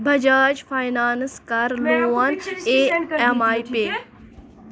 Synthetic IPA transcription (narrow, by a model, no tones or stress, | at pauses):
bʱɐd͡ʒaːd͡ʒfaːjnaːnskaɾloaneemaːipeː